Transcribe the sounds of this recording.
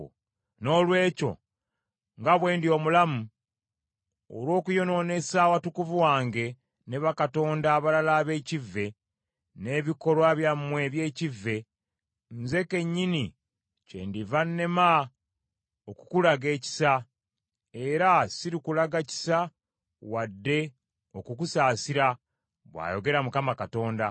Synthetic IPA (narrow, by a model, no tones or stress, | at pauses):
no̞lwe̞ːco̞̰ | ŋɡaβwe̞ːndio̞ːmulamu | o̰lwo̞ːkujo̞no̞ne̞saːwatukuvuwaːŋɡe̞ | neβakato̞ːndaːβalalaːβe̞ːcivːe̞ | ne̞βiko̞lwaβjamːwe̞βje̞ːcivːe̞ | nze̞ke̞ɲːini | cḛndivanːe̞ma | okukulaɡe̞ːci̥sa | e̞ɾasiɾikulaɡaci̥sa | wadːe̞ | o̞kukusaːsiɾa | βwa̰ːjo̞ɡe̞ɾamukamakato̞ːnda